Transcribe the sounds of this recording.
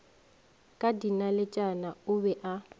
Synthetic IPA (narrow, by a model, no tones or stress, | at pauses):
kʼadinalɪt͡ʃʼanaʊbɛʔa